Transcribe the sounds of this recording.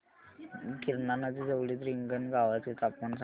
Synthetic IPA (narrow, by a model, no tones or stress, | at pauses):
kiɾnanəd̪id͡zəʋɽiːt̪ɾiŋɡənɡaʋat̪it̪apəns